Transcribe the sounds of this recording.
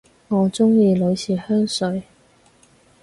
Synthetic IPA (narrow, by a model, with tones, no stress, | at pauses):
ŋɔː˨˧t͡sʊ˥ŋjiː˧lɵ˨˧ɥsʰiː˨˩hœː˥ŋsɵ˨˧ɥ